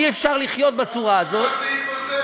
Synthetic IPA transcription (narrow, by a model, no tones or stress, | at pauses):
iefʃaʁliχjo̞t̪̚bet͡suʁaːzo̞t̪